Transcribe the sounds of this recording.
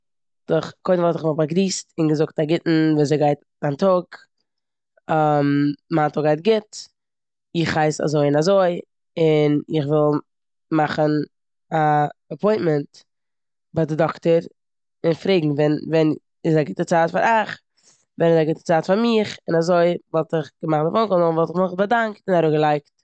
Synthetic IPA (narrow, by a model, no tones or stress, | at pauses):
d̥ʊχkʰoɪdn̩vɔlˠtɪχvɔbaɡɾiːstɪnɡəzʊk̚taɡɪtn̩vɛzeɪɡaɪt | antɔɡ | mmaːntɔɡaɪt̚ɡɪt | ɪχhaɪsa̰zoɪɪnazoɪ | ɪnɪχvɪlˠ | maχən | aapʰɔɪ̃ntmɛnt | badɪdɔktəɾ | ɪnfɾeːɡŋ̩vɛnvɛn | ɪzaɡɪtət͡saːtfaɾʔaχ | vɛnɪzaɡɪtə̥t͡saːtfaɾmɪχɪnazoɪvɔlˠtɪχɡ̥əmaχnəfɔŋkɔəvɔlˠtɪχmɪχbədaŋk̚tɪnaɾuːɡəlˠaɪkt